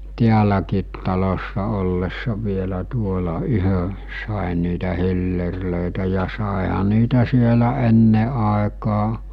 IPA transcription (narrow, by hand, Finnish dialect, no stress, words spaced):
tiælækiːt tɑlosːɑ olːesːɑ ʋielæ tuolɑ yhø sɑˑen̆ niːtæ hilːerløˑetæ jɑ sɑˑehɑ niːtæ sielæ enːe ɑˑekɑː